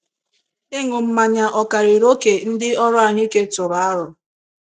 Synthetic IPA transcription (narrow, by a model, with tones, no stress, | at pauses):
ɪ˦ŋʷʊ˨m̩˦ma˨ɲa˨ʔɔ˨ka˨ɾi˨ɾo˦ke˨n̩˦dɪ˦ɔ˦ɾʊ˦a˨ɲɪ˦ke˦tʊ˨ɾa˨a˦ɾʊ˨